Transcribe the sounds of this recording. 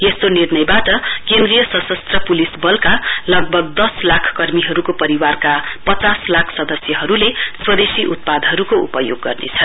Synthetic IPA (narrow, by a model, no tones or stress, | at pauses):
est̪onirnʌjbaʈʌkend̪rijʌsʌsʌst̪rʌpulisbʌlkalʌɡ̚bʱʌɡ̚d̪ʌslakʰkʌrmiɦʌɾukopʌɾiwarkapʌt͡saslakʰsʌd̪ʌsjʌɦʌɾuleswʌd̪esiʔut̪̚pad̪ʌɾukoṵpʌjo̰ɡːʌrnḛt͡sʰʌn